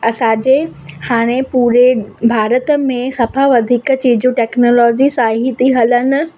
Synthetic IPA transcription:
ɐsãːd͡ʑehaːɽ̃ẽpuːɾebʱaːɾət̪əmẽsɐfaʋɐd̪ʱiːkt͡ɕiːd͡ʑũʈeːknoːlɔːd͡ʑisaːɦɪt̪iɦɐlənɪ̆

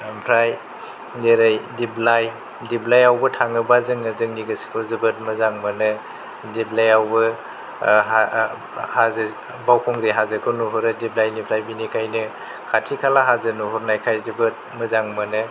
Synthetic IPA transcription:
pʰɾaj | neɾajdiblaj | diblajawbɯtʰaŋɯbazɯŋnɯzɯŋniɡɯsi̥kʰɔzɯbɯt̚mɯzaŋmɯnɯ | diblajawbɯ | a | haz | bawkʰɔŋɾiɦazɯkʰɔnuɦɔɾɯdiblajnipʰɾajbinikʰajnɯ | kʰatʰikʰalaɦazɯnuɦɔɾnajkʰajzɯbɯt̚mɯzaŋmɯnɯ

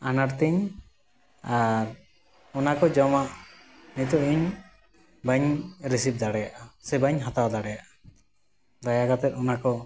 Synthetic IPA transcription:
anaɾt̪ɛɲ | aɾ | ɔnakɔd͡ʒɔmaʔ | nit̪ɔʔiɲ | baɲɾisip̚d̪aɽɛjaʔasɛbaɲɦat̪awd̪aɽɛjaʔa | d̪ajaɡat̪ɛt̪ɔnakɔ

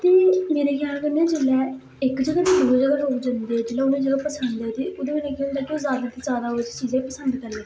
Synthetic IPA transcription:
t̪eːmeːɾeːkʰɪjaːlkeʊnẽːd͡ʒeːlɛː | ɪkd͡ʒəɡaːt̪iːd̪oːd͡ʒəɡaːɦoːkd͡ʒãːnd̪eːɛːd͡ʒeːlɛːʊnẽːd͡ʒəɡaːpəsənd̪ɛːt̪eːʔʊd̪eːmeːɾeːkʰjaːld̪aːkiõːzjaːd̪aːt̪ẽːzaːd̪aːod͡ʒt͡ʃiːzãpəsənd̪kəɾleː

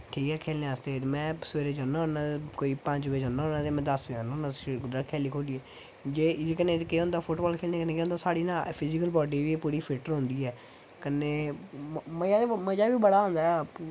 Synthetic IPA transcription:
ʈʰiːkɛːkʰeːlnẽːaːst̪eːmɛ̃ːsəʋeːɾeːd͡ʒaːnaːɦonãːkoːiːpəɲd͡ʒʋeːd͡ʒãːnãːɦoːnãːt̪eːmɛ̃ːd̪əseaːnːõːnad̪ɾaːkʰɛːliːkʰoːliːeː | d͡ʒeːd͡ʒeːkənẽːkeːɦõːnd̪aːpʰʊʈbɔːlkʰeːlneːkəneːkeːõnd̪aːsaːɽiːnãːpʰɪzɪkəlbɔːɖiːʋiːpuːɾiːpʰɪʈəɾɦõːnd̪iːɛː | kəneː | məjaːeməd͡ʒaːʋiːbəɽaːɦõːnd̪aːɛ

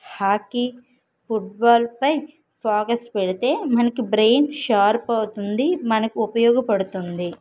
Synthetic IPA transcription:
haːkːi | pʰuʈ̚baːlpɐj | pʰaːkɐspeɽit̪e̞ːmɐnɐkibɾe̞ːnʃaːɾpɐwut̪und̪imɐnɐkiupɐjɔːɡɐpɐɽut̪und̪i

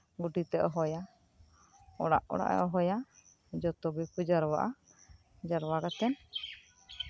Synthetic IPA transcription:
ɡuʈit̪ɛʔɔɦɔja | ɔ̰ɽa̰ʔɔ̰ɽa̰ʔɛ̰ʔɔɦɔja | d͡ʒɔt̪ɔbipud͡ʒaɾɔwa̰ʔa | d͡ʒaɾwaɡat̪ɛn

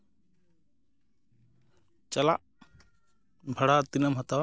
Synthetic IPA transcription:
t͡ʃala̰ʔ | bʱaɽat̪inəmɦat̪a

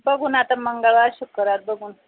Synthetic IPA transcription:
bəɡʱuːnat̪aməŋɡaɭʋaɕukːəɾaɾ̚bəɡʱuːn

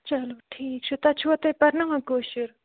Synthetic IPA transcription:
t͡ɕaloʈʰijk̚ʂʰot̪at͡ɕʰowat̪eparnaŋəɦɡoɕər

